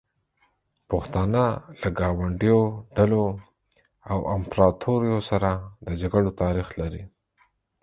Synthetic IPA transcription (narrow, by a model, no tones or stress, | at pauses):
pəxt̪ɑnalaɡɑwaɳɖijoɖalo | awampɾɑt̪ʰoɾijosaɾad̪əd͡ʒaɡaɽot̪ɑɾixlaɾi